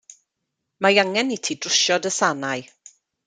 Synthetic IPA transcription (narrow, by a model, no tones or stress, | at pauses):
majaŋɛnitʰiːdrʊʃɔdəsanaj